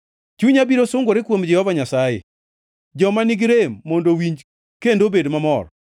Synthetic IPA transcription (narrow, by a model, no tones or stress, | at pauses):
t͡ʃuɲabiɾosʊŋɡoɾekwomd͡ʒɛhɔvaɲasajḛ | d͡ʒɔmaniɡɾemːɔndowiɲd͡ʒ | kendobedmamɔr